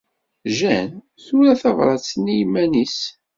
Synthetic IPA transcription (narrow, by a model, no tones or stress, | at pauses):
ʒæn | θuɾæθɑvɾˤɑt͡sːnijmːænis